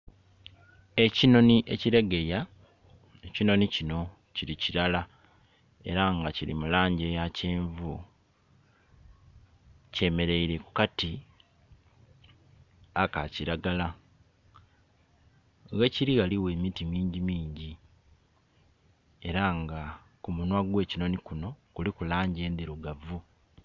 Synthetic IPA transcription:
e̞cino̞niʔe̞ciɾeɡe̞ja | ecino̞nicino̞ | ciɾiciɾala | e̞ɾaŋɡaciɾḭmulaːɲɟe̞jaceːɱvu | ce̞me̞ɾe̞iɾe̞kukati | akaciɾaɡala | ɣeciɾiɣaliwe̞ːmitimiːɲɟimiːɲɟi | e̞ɾaŋɡa | kumunwaɡwe̞ːcino̞nikuno̞kulikulaːɲɟe̞ːnd̪iɾuɡavu

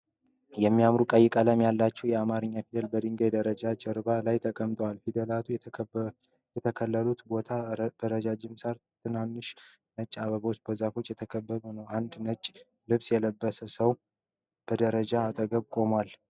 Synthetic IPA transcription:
jɛmːijamɾukʼəjːɪkʼələmjalːat͡ʃːɛwjɛamaɾɨɲːafid̪əlbəd̪ɨŋɡajd̪əɾəd͡ʒad͡ʒəɾbalajt̪ʰəkʼəmt̪ʼəwalfid̪əlat̪ʰuj | jɛt̪ʰəkʰəlːəlut̪bo̞t̪ʰab̥əɾəd͡ʒad͡ʒɪmsaɾt̪ʰɨnanːɨʃ | nət͡ʃʼːaβəβo̞t͡ʃːbəzafo̞t͡ʃːjɛt̪ʰəkʰəbːəbonəwʔand̪nət͡ʃʼː | lɨβsjɛləbːəsəsəw | b̥əd̪əɾəd͡ʒaːt̪ʼəɡəβkʼo̞mwal

